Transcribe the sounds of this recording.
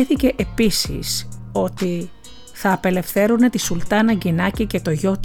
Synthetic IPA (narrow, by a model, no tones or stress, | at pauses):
eθice̞ʔepisḭso̞t̪i | θɐːpe̞le̞fθe̞ɾune̞t̪isult̪ɐnɐɟinɐcice̞t̪o̞ʝo̞t̪